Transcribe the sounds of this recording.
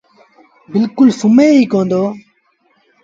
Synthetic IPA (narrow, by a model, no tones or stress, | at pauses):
bɪlkʊlsʊmeːɦiːkõːnd̪oː